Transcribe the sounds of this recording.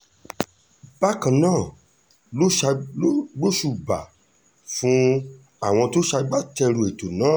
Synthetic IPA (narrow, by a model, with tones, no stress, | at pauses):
b̥a˦kã˨nãː˦˨ | lo˦ʃa˧˦ɡ͡bo˦ʃu˧˨ba̰˨ | fũ˦ | a˦˨w̃ɔ̃˧to˦ʃa˧˦ɡ͡ba˦tɛ˧ɾu˨˧e˨to˨nãː˨˦˨